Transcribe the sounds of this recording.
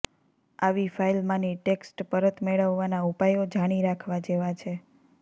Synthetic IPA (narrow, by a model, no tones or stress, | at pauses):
aʋifajlmãniʈeksʈpəɾət̪meɭəʋːanaupajod͡ʒaɽ̃iɾakʰʋad͡ʒeʋat͡ʃʰe